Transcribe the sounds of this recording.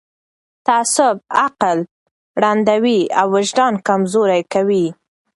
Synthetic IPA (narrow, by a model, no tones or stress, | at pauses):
t̪asʊbaqal | ɽand̪awiawːɪʒɖ̪ɑnkamzoɾajkawi